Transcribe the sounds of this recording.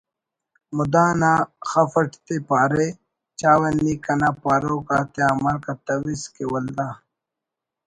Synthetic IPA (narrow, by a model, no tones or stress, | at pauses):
mud̪aːnaxɐfɐʈt̪epaːɾe | t͡ʃaːwɐnːikɐnapaːɾoːkaːt̪jaːmɐlkɐt̪ɐwiskewɐld̪aː